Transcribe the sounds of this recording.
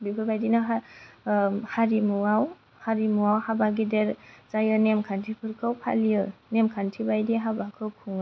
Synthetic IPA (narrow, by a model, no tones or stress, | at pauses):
bipʰɯbajdinaɦa | haɾimuaw | haɾimuwawhabaɡideɾzajɯnemkʰantʰipʰɯɾkʰɯwpʰa̰lijɯnemkʰantʰibajdiɦabakʰɯwkʰuŋa